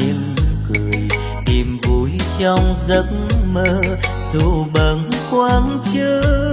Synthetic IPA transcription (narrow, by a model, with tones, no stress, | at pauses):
e˧˦m˧kɨ˨˩əj | t̪i˨˩mvu˨˦jt͡ɕɔ˧wŋ͡mzə˧˦k̚məː˧˥ | zu˧˩ɓə˨˩ŋkwaː˧˥nt͡ɕɨ˧˦